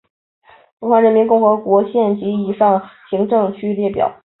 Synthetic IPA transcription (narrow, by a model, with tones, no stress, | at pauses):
fu˧˥kxwa˧˥nɻə˧˥nmi˧˥nkʊ˥˩ŋxɤ˧˥kwɔ˧˥ɕjɛ˥˩nt͡ɕi˧˥i˨˩ʂɑ˥˩ŋɕi˧˥ŋʈ͡ʂɤ˥˧ŋt͡ɕʰy˥ljɛ˥˩pjɑ̰˨˩˦ʊ